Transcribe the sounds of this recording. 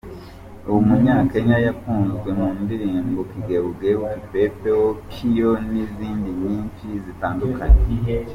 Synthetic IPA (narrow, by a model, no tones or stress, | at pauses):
uwumuɲaːkeɲajakuːnzɡwe̞muːndiɾiːmbokiɡeβuɡewukipepeokʰijo̞niziːndiɲiːnt͡ʃizitaːndukaɲe